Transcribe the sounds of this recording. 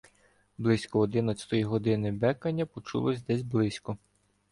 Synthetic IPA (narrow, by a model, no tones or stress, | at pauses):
blˠɪsʲkɔɔd̪ɪnɐt͡sʲɐ̥t̪ɔjiɦɔd̪ɪnɪbɛkɐnʲːɐpɔt͡ʃṵlˠɔsʲd̪ɛsʲblˠɪsʲkɔ